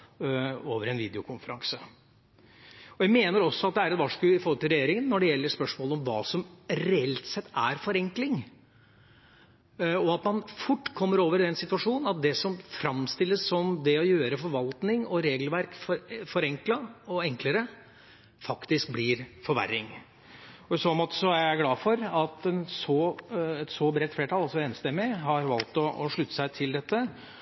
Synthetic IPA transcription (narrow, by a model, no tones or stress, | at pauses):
oːʋəɾɛnʋiːd̪ɛʊkʰʊnfəɾɑŋsə | ɔjæɪmeːnəɾɔsːɔɑt̪̚d̪ɛæɾɛt̪ʋɑʂkʉɪfɔɾhɔlt̪ʰɪlɾɛjeːɾɪŋənːɔɖɛjɛlːəɾspœʂmoːləɔmʋɑːsɔmɾɛɛlt̪sɛt̪ʰːæɾfɔɾɛŋklɪŋ | ɔɑt̪mɑnfʊʈːkʰɔmːəɾoːʋəɾɪd̪ɛnsɪt̪ʉɑʂuːnnɑt̪̚d̪ɛsɔmfɾɑmst̪ɪlːəsːɔmd̪ɛɔjøːɾəfɔɾʋɑlt̪nɪŋɔɾeːɡlʋæɾkffɔɾɛŋklɑɔɛŋkləɾə | fɑkt̪ɪsk̚blɪɾfɔɾʋæ̰ɾːɪŋ | ɔɪsoːmɔt̪ːsɔæɪæɡlɑːfɔɾɑt̪ɛnsɔɛt̪sɔbɾɛːt̪ːfleːʈʰɑlɑlsɔeːnst̪ɛmːɪɦɑɾʋɑlt̪ɔɔʂɭʉt̪ːə̥sæɪt̪ʰɪld̪ɛt̪ːə